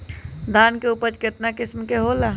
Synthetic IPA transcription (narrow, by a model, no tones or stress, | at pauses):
d̪ʱaːnkeuːpəɾt͡ʃkɪt̪nakɪsmkeɦola